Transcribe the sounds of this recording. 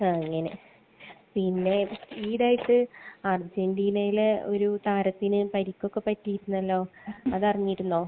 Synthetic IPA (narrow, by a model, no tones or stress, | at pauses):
aɐŋːɐne̞̰ | pinːe̞siːɽaːjiʈːɨɐrd͡ʑendiːnɐjileo̞̰ɾut̪aːɾɐt̪ːinɨpɐɾikʲːo̞kːe̞pɐtːiiɾunːɐlːo̞ːɐðɐriɲːiiɾunːo̞ː